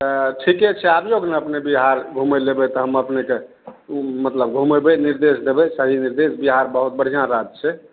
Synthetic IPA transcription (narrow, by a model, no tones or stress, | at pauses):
t̪əʈʰikɛt͡ʃʰɛabjoɡneəpnebiɦaɾɡʱumelebet̪ɔɦəməpneke | mət̪ləbɡʱumebeniɾd̪esd̪ebɛsəɦiniɾd̪esbiɦaɾbəɦut̪̚bəɽ̤ijãɾad͡ʒ̪t͡ʃʰe